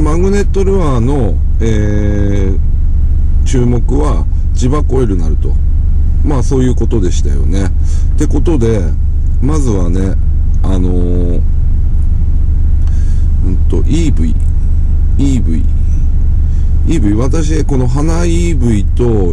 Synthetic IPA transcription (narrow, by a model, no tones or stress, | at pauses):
mãŋɡɯ̟ne̞t̪ːo̞ɾɯ̟βaːno̞ | eː | t͡ɕɨːmo̞kɯ̟βa | t͡ɕibako̞eɾɯ̟naɾɯ̟t̪o̞̰ | maso̞ːjɯ̟ːko̞t̪o̞d̪e̞ɕi̥t̪ajo̞̰ne̞ | t̪e̞ko̞t̪o̞d̪e̞ | mazɨβane̞ | ano̞ | ɯ̟̃nt̪o̞ʔiːbɯ̟̰ḭ | iːbɯ̟̰ḭ | iːbɯ̟iβat̪aɕ̬iko̞no̞ɦana | iːbɯ̟it̪o̞